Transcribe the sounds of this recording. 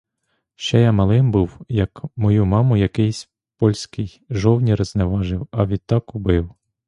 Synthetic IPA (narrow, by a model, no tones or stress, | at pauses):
ʃt͡ʃɛjamɐlˠɪmbuwjɐkmɔjumɑmʊjɐkɪjsʲ | pɔlʲsʲkɪj | ʒɔwnʲiɾɐznɛʋɑʒɪwɐʋʲid̪̚t̪ːɑkʊbɪw